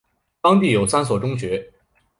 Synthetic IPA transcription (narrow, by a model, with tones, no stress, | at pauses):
t̪ɑ˥ŋt̪i˥˩jo˨˩ʊsa˥nswɔ˨˩ʈ͡ʂʊ˥ŋt͡ɕɥɛ˧˥